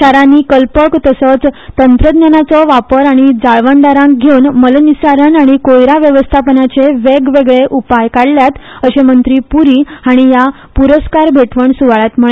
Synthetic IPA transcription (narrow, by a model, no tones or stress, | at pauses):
ɕaɾaniːkəlpəkt̪əsət͡st̪ənt̪ɾəd̪njanat͡sɔʋapəɾaɽ̃id͡zaɭʋəɳɖaɾãŋk̚ɡʱeunməlnisaɾənaɽ̃ikojɾaʋjəʋəst̪ʰapənat͡seʋeɡʋeɡɭeʔupajkaɽljat̪əɕemənt̪ɾiːpuɾiːaɽ̃ija | puɾəskaɾbʱeʈʋəɳsuʋaɭat̪m̤əɭe